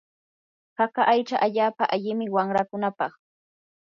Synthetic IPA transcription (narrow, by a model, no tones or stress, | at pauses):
hakaʔajt͡ʃaʔaʎaːpaʔaʎɪmɪwaŋɾakʊnapɑχ